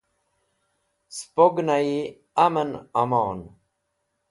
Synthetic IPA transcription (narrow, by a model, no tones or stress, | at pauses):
spoɡnai | amənamɑːn